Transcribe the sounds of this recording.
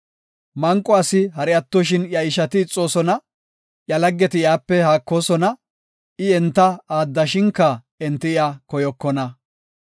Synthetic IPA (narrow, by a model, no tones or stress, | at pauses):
mɐŋkʼːɔɐsɪɦɐɾɪɐt̪ːɔʃ̬ɪnjɐɪʃɐt̪ɪːt͡sʼːo̞ːsɔnɐ | jɐlɐɡːɛt̪ɪjaːpːɛhaːkːo̞ːsɔnɐ | ɪɛnt̪ːɐaːd̪ːɐʃɪŋkːɐ | ɛnt̪ːɪɪaːkɔjɔkːɔnɐ